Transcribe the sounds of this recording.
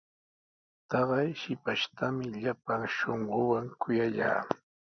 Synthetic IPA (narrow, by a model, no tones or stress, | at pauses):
t̪ɑɢɑjʃɪpaʃt̪ʰamɪʎapaŋʃoɴɢowaŋkʊjaʎa̰ː